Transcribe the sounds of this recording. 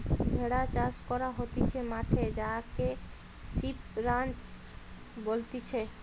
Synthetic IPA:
bʱeɽat͡ɕaskɔɾaɦot̪it͡ɕʰemaʈʰed͡ʑake | ʃipɾant͡ʃ | bolt̪it͡ɕʰe

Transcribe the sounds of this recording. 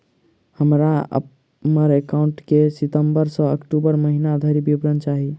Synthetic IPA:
həmɾaə̰ | məɾekauɳʈkesit̪əmbəɾsə̃əkʈubəɾməɦinad̪ʱəɾibibɾənt͡ʃaɦi

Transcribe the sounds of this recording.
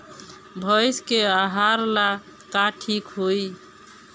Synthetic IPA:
bʱəjskeaɦaɾla | kaʈʰikɦoj

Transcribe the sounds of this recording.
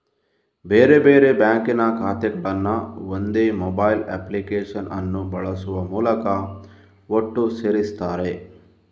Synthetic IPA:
beːɾebeːɾe̞bjaːŋkinɐkaːt̪ɛkɐɭɐnːɐond̪eːmɔbɐːjlḛːplikeːʂɐnʔɐ̰nːubɐɭɐsuʋɐmuːlɐkɐ | oʈːuseɾist̪aːɾe̞

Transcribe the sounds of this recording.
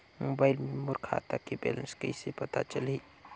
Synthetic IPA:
mobaɪlmemʊɾkʰa̰t̪akebḛlə̃nskəisepət̪a̰t͡ʃəli

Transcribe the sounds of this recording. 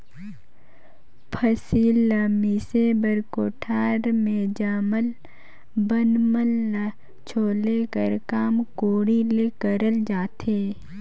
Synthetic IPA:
pʰəsiːlamisebəɾkoːʈʰaːɾmẽd͡ʒaːməl | bənməlna | t͡ʃʰoːlekəɾkaːmkoːɽilekəɾəld͡ʒaːt̪ʰeː

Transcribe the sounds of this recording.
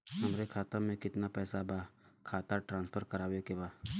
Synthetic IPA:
ɦɐmɾekʰaːt̪amẽkɪt̪napɛːsabakʰaːt̪aʈɾãːnspʰəɾkəɾaːbekebaː

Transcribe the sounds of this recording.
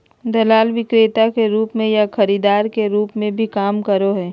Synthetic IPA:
d̪ɐlaːlʋɪkɾeːt̪akeɾuːpmẽjaxɐɾiːd̪aːɾkeɾuːpmẽbʱikaːmkɐɾoɦɛː

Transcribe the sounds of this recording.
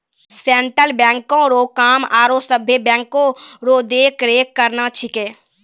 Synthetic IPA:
seːɳʈɾəlbɛ̃ːŋkõɾoːkaːmaːɾosəbʱebɛ̃ːŋkõɾoːd̪eːkɾeːkːəɾnat͡ʃʰɪkeː

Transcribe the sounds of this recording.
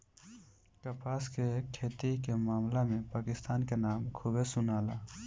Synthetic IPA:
kəpaːskekʰeːt̪ikemaːmlemẽpaːkɪst̪aːnkenaːmkʰuːbesʊnaːlaː

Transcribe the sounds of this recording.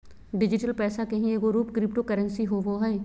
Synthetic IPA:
ɖɪd͡ʒɪʈəlpɛːsakɐɦĩeɡoɾuːpkɾɪpʈokɐɾə̃nsiɦoʋoɦɛː

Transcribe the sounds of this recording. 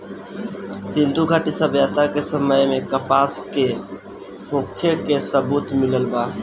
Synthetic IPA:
sɪ̃nd̪ʱuɡʱəʈisəbjaːt̪akesəməjmẽkəpaːske | mʊkʰːekesəbuːt̪mɪləlbaː

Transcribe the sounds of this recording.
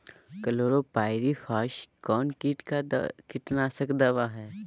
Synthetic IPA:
kɐloːɾopaːɪɾifʰaːʃkɔːnkiʈkakɪʈnasɐkd̪ɐʋaɦɛː

